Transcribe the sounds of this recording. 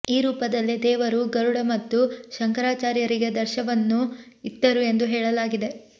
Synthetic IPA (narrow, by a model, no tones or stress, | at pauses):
iːɾuːpɐd̪ɐlːid̪ɛːʋɐɾuɡɐɾuɽɐmɐt̪ːuʃɐŋkɐɾaːt͡ʃaːɾjɐɾiɡe̞d̪ɐɾʃɐʋɐnːu | id̪ːɐɾue̞nd̪uɦɛːɭɐlaːɡid̪e̞